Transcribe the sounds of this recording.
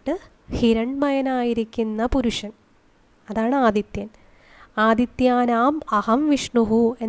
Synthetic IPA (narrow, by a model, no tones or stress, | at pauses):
ʈːɨ | hiɾɐɳmɐjɐnaːjiɾikʲːunːɐpuɾuʂɐn | ɐðaːɳɨaːd̪jit̪jɐn | aːd̪it̪jaːnaːmɐhɐmʋiʂɳuɦue̞